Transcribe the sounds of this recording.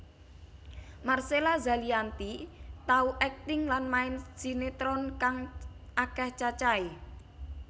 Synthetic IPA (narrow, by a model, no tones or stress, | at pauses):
marselaza̤liant̪it̪auʔɛk̚t̪ɪŋlanmaɪnsi̤net̪ɾɔnkaŋʔakɛht͡ʃat͡ʃai